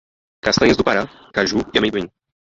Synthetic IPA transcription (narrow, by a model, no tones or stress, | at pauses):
kast̪ɐ̃ɲezd̪ʊpaɾa | kaʒuiamẽjd̪uĩ